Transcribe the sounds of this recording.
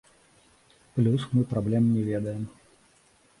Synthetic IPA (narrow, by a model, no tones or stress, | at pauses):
plʲusmɨpɾablʲɛmnʲɛvʲɛd̪ɐjɛm